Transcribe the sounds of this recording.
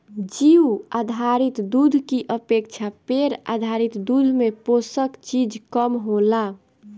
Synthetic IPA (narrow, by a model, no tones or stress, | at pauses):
d͡ʒiwad̪ʱaɾit̪d̪ud̪ʱkiʔəpek̚t͡ʃʰapeɾa̰d̪ʱaɾit̪d̪ud̪ʱmeposəkt͡ʃid͡ʒkəmɦola